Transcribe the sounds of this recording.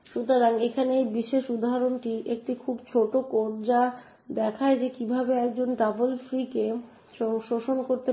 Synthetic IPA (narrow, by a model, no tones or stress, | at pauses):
ʃut̪oɾaŋekʰanejbiʃeʃud̪ʱaɾonʈiʔek̚ʈikʰubt͡ɕʰoʈokoɾd͡ʑa | d̪ɛkʰaed͡ʑekibʱabeɛk̚d͡ʑonʈɾabolfɾike | ɔŋʃoʃonkoɾt̪e